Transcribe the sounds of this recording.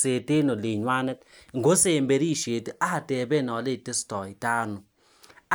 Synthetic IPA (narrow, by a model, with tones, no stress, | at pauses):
se˨te˦no˨le˨ɲwa˦nɛ˦t | ŋɡo˦se˦˨mbe˨ɾi˦˨ʃe˨tʔa˦ha˨tɛ˨be˦˨nɔ˨˦le˦˨te˦stɔ˨i˨taː˦nʊ˨ | a˦